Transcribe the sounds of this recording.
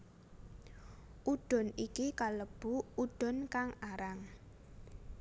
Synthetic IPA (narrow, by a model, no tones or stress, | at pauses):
ʔuɖ̪̥ɔ̤nikikaləb̥ṳuɖ̪̥ɔ̤nkaŋaɾaŋ